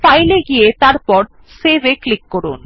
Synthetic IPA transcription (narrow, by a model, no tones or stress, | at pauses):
fajleɡijet̪aɾpɔɾ | sebeklikːoɾun